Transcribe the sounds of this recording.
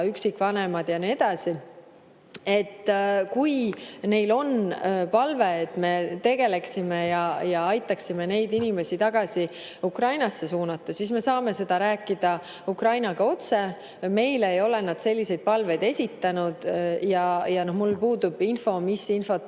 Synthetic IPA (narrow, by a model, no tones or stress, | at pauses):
yksikːˑvɑne̞mɑd̪̥jɑnie̞d̪̥ɑsi | e̞t̪ːˑkujne̞jlo̞npɑlve̞ːt̪ːme̞t̪e̞ɡ̥e̞le̞ksimejɑjɑɑjt̪ːˑɑksime̞ne̞jd̪inime̞sit̪ɑɡ̥ɑsi | ukrɑjnɑsːe̞suːnɑt̪ːɑsisme̞sɑːme̞se̞d̪̥ɑɾæːkːˑid̪̥ɑ | ukrɑjnɑɡ̥ɑo̞t̪se̞ | me̞jleejo̞le̞nɑd̪̥se̞lʲːise̞jd̪̚pɑlve̞jd̪̥e̞sʲit̪ːɑnud̪̥jɑjɑno̞hmulpuːd̪ub̥info̞misinfo̞t̪